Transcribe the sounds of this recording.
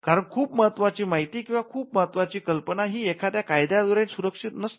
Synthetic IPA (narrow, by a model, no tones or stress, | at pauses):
kaɾəɳkʰuːpməɦət̪ʋat͡ɕiːmaɦit̪iːkĩw̃ʋakʰuːp̚məɦət̪ʋat͡ɕiːkəlpənaɦiːekʰat̪jakajd̪jad̪ʋəɾẽnsuɾəkʂit̪nəst̪